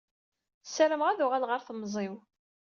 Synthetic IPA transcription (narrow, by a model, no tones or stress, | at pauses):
səɾəmʁæðʊʁælʁəɾθmːzˤɪw